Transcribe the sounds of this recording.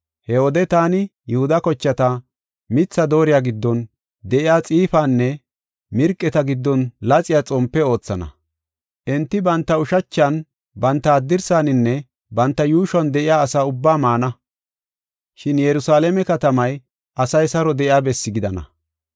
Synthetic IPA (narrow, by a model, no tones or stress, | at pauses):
hɛɔd̪ɛt̪aːnɪjɛhʊd̪ɐkɔt͡ʃːɐt̪ɐ | mɪt͡sːɐd̪o̞ːɾɪjaːɡɪd̪ːɔn | d̪ɛʔɪjaːt͡sʼiːfaːnːɛ | mɪɾkʼːɛt̪ɐɡɪd̪ːɔnlɐt͡sʼɪjaːt͡sʼɔmpːɛo̞ːt͡sːɐnɐ̰ | ʔɛnt̪ːɪbɐnt̪ːɐʊʃɐt͡ʃːɐn | bɐnt̪ːɐːd̪ːɪɾsaːnɪnːɛ | bɐnt̪ːɐjuːʃɔnd̪ɛʔɪjaːsaːʊbːaːmaːnɐ | ʃɪnjɛɾʊsaːlɛmɛkɐt̪ɐmɐj | ʔɐsɐjsɐɾɔd̪ɛʔɪjaːbɛsːɪɡɪd̪ɐnɐ̰